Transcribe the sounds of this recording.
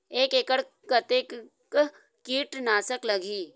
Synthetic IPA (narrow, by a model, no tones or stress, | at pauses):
eːkeːkəɽ | kət̪eːk | k | kiːʈnaːsəklɐɡʱiː